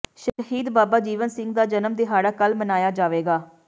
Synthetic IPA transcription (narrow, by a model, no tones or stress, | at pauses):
ʃəəɦiːd̪baːbaːd͡ʒiːʋənsɪ̃ŋɡd̪aːd͡ʒənəmd̪eːɦaːɽaːkəlmənaːjaːd͡ʒaːʋeːɡaː